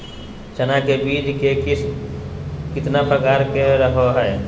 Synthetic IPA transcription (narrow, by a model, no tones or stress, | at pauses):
t͡ʃənakebiːd͡ʒke | kɪt̪napɾəkaːɾkeɾəɦoɦɛː